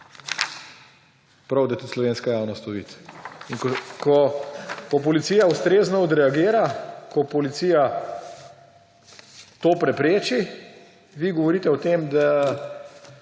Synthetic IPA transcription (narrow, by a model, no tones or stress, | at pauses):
pɾawd̪at̪uslɔʋeːnskajaːwnɔst̪ɔʋḭːt̪inkkɔkɔp̬ɔlit̪sijaust̪ɾeːznɔɔd̪ɾɛaɡeːɾakʰɔpɔlit̪siːja | t̪oːpɾɛpɾeːt͡ʃi | ʋiɡɔʋɔɾiːt̪ɛɔt̪emd̪a